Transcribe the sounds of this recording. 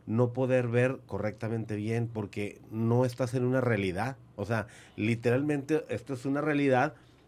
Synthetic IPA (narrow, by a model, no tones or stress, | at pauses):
no̞po̞ðe̞ɾβe̞ɾko̞re̞k̚t̪amẽ̞nt̪e̞βje̞npo̞ɾke̞no̞e̞st̪ase̞nũnarealiðað | ose̞alit̪e̞ɾalmẽnt̪e̞ʔest̪oesunarealiðað